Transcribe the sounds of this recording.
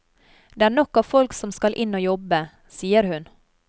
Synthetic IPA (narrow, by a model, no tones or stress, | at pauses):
d̪eːæːɳɔkːɑːʋfɔlksɔmskɑlʔɪnoːjɔbə | siːəɾhʉn